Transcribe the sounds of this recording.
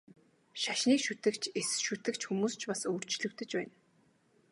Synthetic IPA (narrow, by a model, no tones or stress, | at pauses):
ʃaʃniːkʃut̪ɘ̆kt͡ɕʰesʃut̪ɘ̆kt͡ɕxumuːst͡ɕpasoːr̥t͡ɕɮɵ̆kt̪ɘ̆t͡ɕpæːn